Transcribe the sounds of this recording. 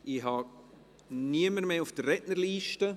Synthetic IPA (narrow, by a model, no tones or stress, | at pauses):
ʔiɦɑ | niəməɾmeːʊfd̥ərːɛtnəɾliːʃtə